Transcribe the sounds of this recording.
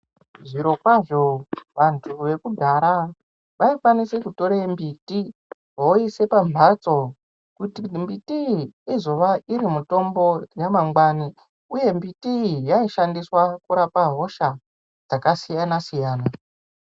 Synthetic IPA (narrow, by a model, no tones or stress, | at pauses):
ʐiɾo̞kwaʐo̞ʋantʰuʋe̞kudʱaɾa | ʋaifwanise̞kuto̞ɾembiːti | ɦoise̞pamʱat͡so̞ | kutimbitiːzo̞ʋaiɾimuto̞mbo̞jamaŋɡwani | uje̞mbitijaiʃandiswakuɾapaɦo̞ʃa | d͡zakasijanasijaːna